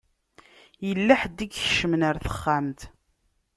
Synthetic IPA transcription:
jəlːæħd̪iɡçə̥ʃəmnəɾθə̥χːamt̪

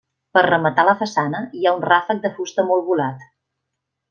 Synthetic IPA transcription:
pərrəmət̪aləfəsanəiaunrafək̚d̪əfust̪əmɔlˠβulat̪

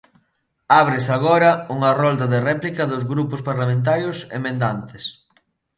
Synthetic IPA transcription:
aβ̞ɾesaɣɔɾɐuŋɐrɔld̪ɐðerɛplikɐðʊzɣɾupʊspaɾlamẽnt̪̬aɾjʊsḛmẽnd̪ant̪ɪs

